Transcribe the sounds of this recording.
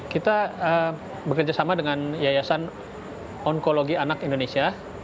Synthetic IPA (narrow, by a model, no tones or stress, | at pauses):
kit̪aə | bəkərd͡ʒasamadəŋanjajasan | ɔŋkoloɡianakindonesia